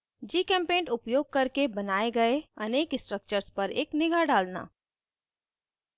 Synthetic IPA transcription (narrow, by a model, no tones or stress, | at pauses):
d͡ʒiːkɛ̃ːmpẽːɳʈʊpjoːɡ̚kɐɾkebɐnaːeɡɐeɐneːkɪsʈɾək̚t͡ʃəɾspɐɾḛːknɪɡʱaɖaːlna̰ː